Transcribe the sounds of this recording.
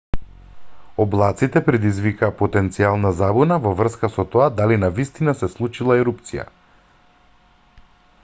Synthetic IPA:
ɔblˠat̪sit̪ɛpɾɛd̪izvikaːpɔt̪ɛnt̪sialˠnazabunavɔvr̩skasɔt̪ɔad̪alinavist̪inasɛslˠut͡ʃilˠaɛɾupt̪sija̰

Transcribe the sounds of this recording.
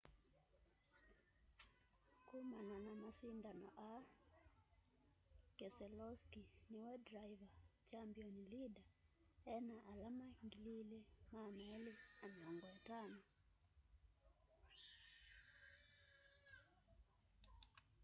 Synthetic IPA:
kumananamasindanɔ̰ʔa | kɛsɛlɔskiniwɛdɾaivat͡ʃambiɔnlida | ɛnaʔalamaŋɡililɛmaːnaɛlɛamɛɔŋɡɔtana

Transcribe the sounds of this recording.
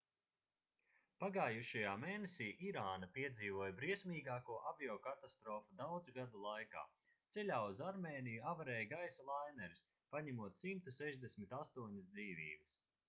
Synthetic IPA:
paɡaːjuʃajaːmeːnesʲiːʔiɾaːnapiɛd̪ziːvuɔjbɾiɛsʲmʲiːɡaːkuɔʔabiɔːkat̪ast̪ɾɔːfud̪awd̪zuɡad̪ulˠajka̰ː | t̪sɛlʲaːuzaɾmeːnijuavaɾɛːjɡajsalˠajnɛɾis | paɲamuɔt̪simt̪usɛʒd̪esʲmit̪ast̪uɔɲɪsd̪ziːvḭːbɐs

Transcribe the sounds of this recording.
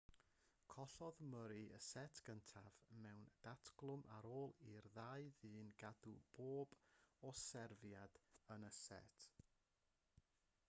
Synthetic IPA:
kʰɔɬɔðməɾiʔə̰sɛtʰɡ̥əntʰavmɛwnd̥atʰɡ̥lˠʊmʔaɾoːlˠirðaɨðɨːnɡadub̥oːb̥ɔsɛrvjadənəsɛ̰tʰ

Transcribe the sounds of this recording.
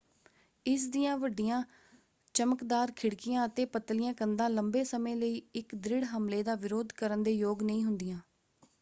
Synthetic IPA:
ɪsd̪ɪjãːʋəɖɪjãː | t͡ʃəməkd̪aːɾkʰɪɽkɪjãːət̪eːpət̪lɪjãːkənd̪ãːləmbeːsəmẽːləiːɪkd̪ɾɪɽɦəmleːd̪aːʋɪɾoːd̪kəɾənd̪eːjoːɡnəĩːɦʊnd̪ɪjãː

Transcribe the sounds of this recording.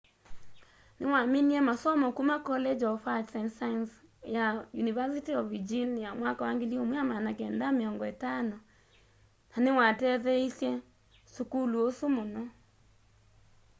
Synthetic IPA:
newameniɛmasɔmɔkumakɔlɛd͡ʒɔfad͡ʒsansansjajunivasitiɔvid͡ʒinjamwakawaŋɡeliomujamanakɛndameɔŋɡɔetanɔ | nanewatɛðɛisjɛ | sukuluosumɔnɔ

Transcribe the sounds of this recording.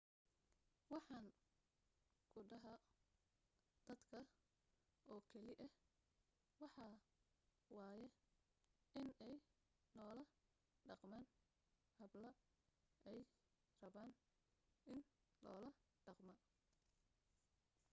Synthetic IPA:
wɑħɑːn | kʰʊɖɐɦɐ | d̪̥ɐd̪kʰɐ | ɔːkʰɐlɪʔɐh | wɑħɑː | wɑːjɛ | ʔɪnɛj | lɔːlɐ | ɖɑqmaːn | hɐblɐ | ʔɛj | rɐβaːn | ʔɪn | lɔːlɐ | ɖɑqmɐ

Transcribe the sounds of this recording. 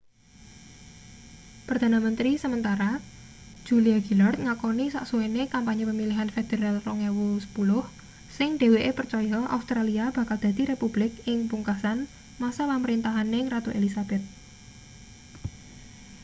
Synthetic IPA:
pərd̪̥a̤namənt̪ɾisəmənt̪aɾḁ | d͡ʒ̥uliaɡilart̪̚ŋakonisa̰ʔsuenekampaɲepəmiliɦanfed̪̥e̤ɾalrɔŋewusə̥pulʊh | sɪŋɖ̥e̤weʔepərt͡ʃɔjɔa̰ust̪ɾaliab̥ä̤kald̪̥a̤d̪̥i̤ɾepub̥lɪkɪŋpuŋkasan | masapaməɾint̪aɦanɪŋrat̪oʔelisab̥ɛt̪̚

